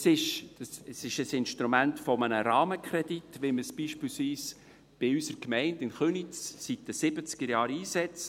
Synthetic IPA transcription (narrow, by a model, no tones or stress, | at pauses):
sɪʃd̥ɑsəsɪʃəsɪnʃtɾumæntfɔmənəɾɑːməkχɾɛditʋɪməsb̥iːʃpiːlsʋiːs | b̥ɪysəɾkmɛɪndɪnχønit͡ssit̚dəsɪb̥ət͡skəɾjɑːɾiːsɛt͡s